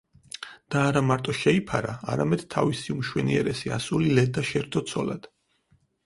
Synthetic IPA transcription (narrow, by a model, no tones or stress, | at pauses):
d̪̥aːɾamaɾt̪ʼɔʃɛipʰaɾa̰ːɾamɛd̪̥t̪ʰːavisiumʃwɛ̰niɛɾɛsiasulilɛd̪aʃɛɾt̪ʰɔt̪sʰɔlad̪̥